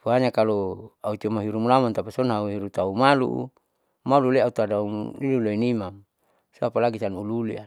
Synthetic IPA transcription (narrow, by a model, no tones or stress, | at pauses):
fuaɲakaloaut͡ʃomaɦiɾumulamɔnt̪apasɔnɦauɦiɾut̪aumalṵʔ | maluleaut̪adaumliluloinimam | soapalaɡisanululḭa